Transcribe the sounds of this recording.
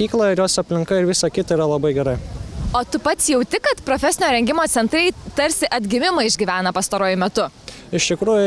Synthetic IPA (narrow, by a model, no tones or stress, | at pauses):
iːklˠɐɪɾjoːsɐpʲlʲɪŋkɐɪɾʋʲɪsɑkʲɪt̪ɐiɾɐlˠɐbɐɪɡʲɛɾɐɪoːt̪ʊpɐt̪sjɛʊt̪ʲɪkɐt̪pɾoːfʲɛsʲɪnʲoːɾʲɛŋʲɡʲɪmoːt̪sʲɛnt̪ɾɐɪt̪ɐɾʲsʲɪʔɐd̪ʲɡʲɪmʲɪmɐɪʒʲɡʲiʋʲæːnɐpɐst̪ɐɾoːjʊmʲɛt̪ʊ | ɪʃt̪ʲɪkɾuːjʊ